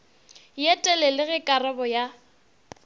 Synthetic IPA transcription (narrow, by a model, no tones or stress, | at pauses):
jɛtʼɛlɛlɪɣɪkʼarɛbɔja